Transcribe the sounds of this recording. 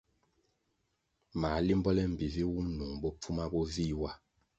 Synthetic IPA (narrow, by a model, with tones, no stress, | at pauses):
ma˨˦li˦m˦bɔ˦lɛ˦m̩˨bi˨vi˦wu˦mnu˨ŋbɔ˦p͡fu˦ma˦bɔ˦vi˦wa˦